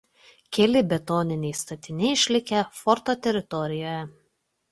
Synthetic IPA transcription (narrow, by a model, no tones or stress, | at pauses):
kʲɛlʲɪbʲɛt̪oːnʲɪnʲɛɪst̪ɐt̪ʲɪnʲɛɪɪʃʲlʲɪkʲɛfɔɾt̪oːt̪ʲɛɾʲɪt̪ɔɾʲɪjoːjɛ